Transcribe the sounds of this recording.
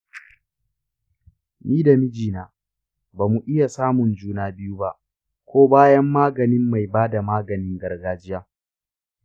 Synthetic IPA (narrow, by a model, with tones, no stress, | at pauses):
miː˦da˨mɪ˦d͡ʒiː˨naː˨ | baː˨mu˨ʔɪ˦ja˨saː˦mʊ˨nd͡ʒuː˦naː˦bɪ˦juː˦ba˦ʔ | kʷoː˦baː˦jɐ˦mːaː˦ɡɐ˨nɪ˦mːa˨jbaː˦da˨maː˦ɡɐ˨nɪ˦ŋɡɐ˨rɡaː˦˨d͡ʒɪ˦jaː˦